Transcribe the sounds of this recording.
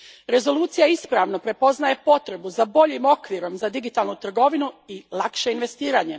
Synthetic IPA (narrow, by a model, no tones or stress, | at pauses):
ɾe̞zo̞luːt̪sijaispɾaʋnopɾe̞po̞znaje̞po̞t̪ɾe̞buzabo̞ʎimo̞kʋiɾo̞mzad̪iɡit̪alˠnut̪r̩ɡo̞ʋinuilˠakʃe̞inʋe̞st̪iːɾaɲe̞